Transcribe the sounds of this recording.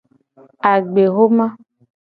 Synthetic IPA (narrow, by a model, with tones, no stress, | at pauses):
a˨ɡ͡be˨ɦo˦mã˦